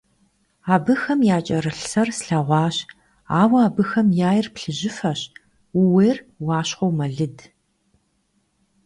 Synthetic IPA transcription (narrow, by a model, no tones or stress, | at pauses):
aːbɨxɐmjaːt͡ʃʼɐɾɨɬsɐrsɬɐʁʷɑːɕ | aːwɐaːbɨxɐmjaːjɪrpɬɨʑɪfɐɕ | wuweːr | wɑːɕχʷowmɐɮɨd